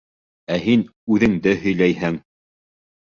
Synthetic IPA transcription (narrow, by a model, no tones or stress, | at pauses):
æɦinʉðɘ̆ŋd̪ɘhɵ̆jlæjhɘŋ